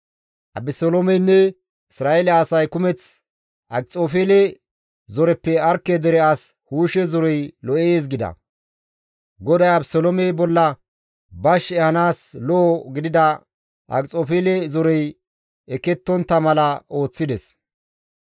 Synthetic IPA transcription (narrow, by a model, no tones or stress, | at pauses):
ʔɐ̰bɪsolomɛjnːɛ | ɪsɾaːelɛɐsɐjkʊmɛt͡s | ʔɐkt͡sʼoːfelɛ | zɔɾɛpːɛɐɾkːɛd̪ɛɾɛɐshuːʃɛzɔɾɔjlɔʔeːs̬ɡɪd̪ɐ̰ | ɡɔd̪ɐjɐbsɔlɔmɛjbɔlːɐ | bɐʃɛhɐnaːslɔɡɪd̪ɪd̪ɐ | ʔɐ̰kt͡sʼoːfelɛzɔɾɔj | ɛkːɛt̪ːɔnt̪ːɐmɐlɐo̞ːt͡sːɪd̪ɛs